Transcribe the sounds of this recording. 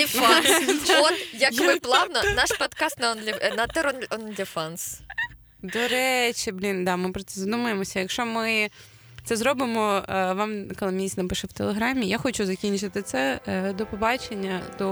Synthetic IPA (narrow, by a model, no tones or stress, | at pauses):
fnɔt̪jɐkʋɪplˠɑʋnɐnɑʃpɔt̪kɑst̪nɐɔnlʲɪnɐt̪ɛɾɔnʲɔnd̪ʲɪfɑns | d̪ɔɾɛt͡ʃʲiblʲind̪ɑmɪpɾɔt̪sɛzɐd̪umɐjemɔsʲɐjɐkʃɔmɪ | t̪sɛzɾɔbɪmɔʋɑmkɔlˠɪmʲisʲnɐpɨʃɛwt̪elˠeɦɾɑmʲijaxɔt͡ʃuzɐkʲinʲt͡ʃɪt̪ɪt̪sɛd̪ɔpɔbɑt͡ʃenʲːɐd̪ɔ